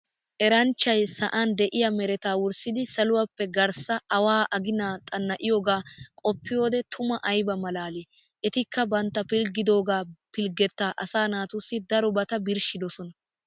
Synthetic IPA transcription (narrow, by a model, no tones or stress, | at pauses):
ʔɛɾɐnt͡ʃːɐjsɐʔand̪ɛʔɪjɐmɛɾɛt̪aːwʊɾsɪd̪ɪsɐlʊwɐpːɛɡɐɾsɐɐwaːʔɐɡɪnaːt̪ʼɐnːɐʔɪjoːɡaːkʼɔpːɪjo̞ːd̪ɛt̪ʰʊmɐʔɐjbɐmɐlaːleː | ɛt̪ɪkːɐbɐnt̪ːɐpɪlɡɪd̪o̞ːɡaːpɪlɡɛt̪ːaːʔɐsaːnaːt̪ʊsːɪd̪ɐɾɔbɐt̪ɐbɪɾʃɪd̪ɔsɔnɐ